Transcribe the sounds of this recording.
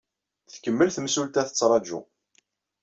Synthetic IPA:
θkəmːəlθəmsult̪æθə̥t͡sːɾˤɑd͡ʒṵ

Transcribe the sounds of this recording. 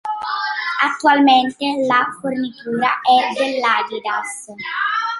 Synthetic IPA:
at̪ːualment̪elafornit̪uːɾaʔɛd̪elːaːɡid̪as

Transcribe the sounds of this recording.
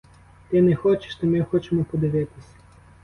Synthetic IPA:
t̪ɪnɛxɔt͡ʃɪ̥ʃt̪ɐmɪxɔt͡ʃemɔpɔd̪ɪʋɪt̪ɪsʲɐ

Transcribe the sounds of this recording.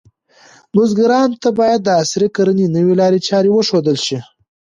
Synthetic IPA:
mʊzɡaɾɑnt̪abɑjad̪̚ːəasɾikaɾəninəwilɑɾet͡ʃɑɾewəʂod̪əlʃi

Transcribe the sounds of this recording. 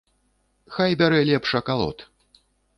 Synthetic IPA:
xajbʲaɾɛlʲɛpʂɐkalˠɔ̰t̪

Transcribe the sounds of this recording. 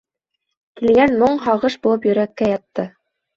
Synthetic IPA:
kilɡænmoɴɦɑʁɤʃbulˠɤpjɵ̆ɾækːæjɑt̪ːɤ

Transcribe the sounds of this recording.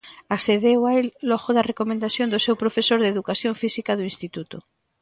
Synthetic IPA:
aseðewaelːɔɣoðɐrekomẽnd̪aθjond̪ʊsewpɾofesoɾðeðukaθjoɱfisikaðoĩnst̪it̪ut̪ʊ̰

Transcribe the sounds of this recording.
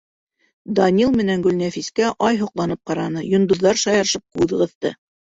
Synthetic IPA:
d̪ɑnʲilˠmɘ̆næŋɡɵ̆lnæfiskæʔɑjɦŏqlˠɑnɤp̚qɑɾɑnɤjŏnd̪ŏðːɑɾʃɑjɑɾ̆ʃɤp̚kʉðʁɤ̆θt̪ɤ̰

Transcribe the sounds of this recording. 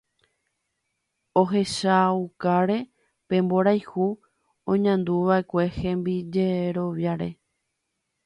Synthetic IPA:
oɦe̞ʃaukaɾe̞ | pẽ̞mbo̞ɾajhu | õɲãnd̪uʋae̞kʷe̞hẽ̞mbid͡ʒeɾo̞ʋjaɾe̞

